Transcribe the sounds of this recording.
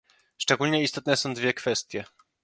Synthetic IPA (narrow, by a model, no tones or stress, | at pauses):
ʂt͡ʂɛɡulɲɛist̪ɔt̪nɛsɔ̃w̃d̪vʲjɛkfɛst̪ʲjɛ